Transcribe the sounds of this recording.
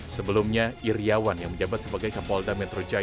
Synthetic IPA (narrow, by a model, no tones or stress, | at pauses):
səbəlumɲairiawanjaŋməɲd͡ʒabat̪̚səbaɡajkapaldamɛt̪ɾod͡ʒa